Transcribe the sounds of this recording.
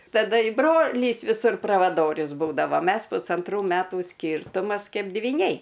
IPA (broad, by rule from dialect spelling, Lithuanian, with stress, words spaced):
tɐˈdɐ ɪ ˈbroːlʲiːs ʋʲɪˈsʊr prɐʋɐˈdoːrʲʊs ˈbuːdɐʋɐ ˈmʲɛs pʊsɐnˈtruː ˈmʲæːtuː ˈsʲkʲiːrtʊmɐs ˈkʲɛɪp dʲʋʲiːˈnʲɛɪ